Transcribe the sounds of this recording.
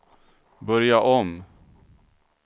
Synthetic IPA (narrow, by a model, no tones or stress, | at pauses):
bœɾjaʔɔm